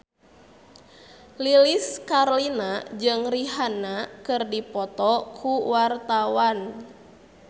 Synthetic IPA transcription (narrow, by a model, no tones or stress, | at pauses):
liliskarlinad͡ʒɨŋriɦanakɨrdipɔt̪ɔkʰuwart̪awan